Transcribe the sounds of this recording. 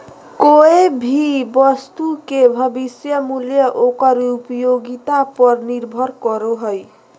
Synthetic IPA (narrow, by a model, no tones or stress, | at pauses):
koebʱibʌst̪ukebʱʌbisjʌmuljʌʔokʌɾupjoɡit̪apʌɾniɾbʱʌɾkɔɾoɦoj